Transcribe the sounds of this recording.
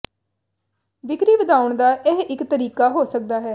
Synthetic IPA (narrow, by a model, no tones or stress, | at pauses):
ʋɪkɾiːʋəd̪aːʊɳd̪aːʔeɦɪkt̪əɾiːkaːɦoːsək̚d̪aːɦɛː